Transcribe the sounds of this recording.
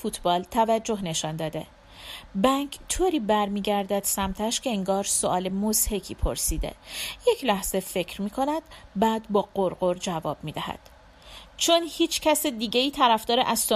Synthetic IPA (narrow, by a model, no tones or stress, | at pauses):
fuːt̪ʰbɒːlt̪ʰævæd͡ʒːo̞ɦne̞ʃɒnd̪ɒːd̪e̞̰ | bæŋkʰt̪ʰoːɾiːbæɾmiːɟæɾd̪æd̪̥sæmt̪ʰæʃcʰʲe̞eŋɡɒːɾsoʔɒːlemozhe̞kʰiːpʰo̞̰ɾsiːd̪ḛje̞cʰlæhz̥efe̞cʰɾmiːkʰo̞næd̪bæːd̪bɒːɢ̥oɾɢo̞ɾd͡ʒævɒːb̥̚miːd̪æhæ̰d̪̥ | t͡ʃʰonhiːt͡ʃʰcʰæsed̪iːɟeiːt̪ʰæɾæfd̪ɒːɾeʔæzso